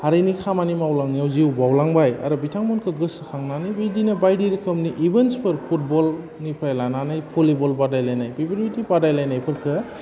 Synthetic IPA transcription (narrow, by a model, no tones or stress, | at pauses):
haɾenikʰamanimawlaŋnijawziwbawlaŋbaja̰ɾɔbitʰaŋmɔnkʰɯɡɯskʰaŋnanɯjbajdinɐbajdiɾikʰɯmniʔibenspɯɾkʰut̚bɔl | nipʰajlananɯjpʰulibɔlbadajlajnajpʰibɾitipadajlajnajpʰɯt̚kʰɯ